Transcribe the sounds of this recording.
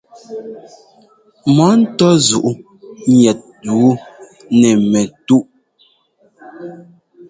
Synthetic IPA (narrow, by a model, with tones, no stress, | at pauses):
mɔ˨˦n̩˦tɔ˦zu˨ʔu˦ | ɲjɛ˨t̚du˨˦ | nɛ˨mɛ˨tu˦ʔ